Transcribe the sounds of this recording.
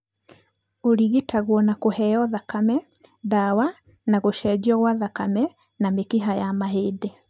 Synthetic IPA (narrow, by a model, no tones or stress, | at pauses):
oɾiɣetaɣwɔnakohɛjɔðakamɛ | dawa | naɣoʃɛd͡ʒiɔɣwaðakamɛ | namekiɦajamaɦede